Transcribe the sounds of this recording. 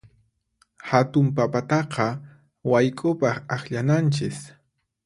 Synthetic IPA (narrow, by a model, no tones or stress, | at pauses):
hat̪ʊmpapat̪ɑqɑ | wajkʼʊpɑχaχʎanant͡ʃɪs